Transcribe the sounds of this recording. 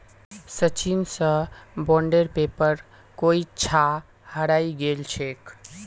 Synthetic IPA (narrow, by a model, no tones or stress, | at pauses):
sət͡ʃinsə̃bɔɳɖeɾpepəɾ | koit͡ʃʰa | həɾaiɡelt͡ʃʰek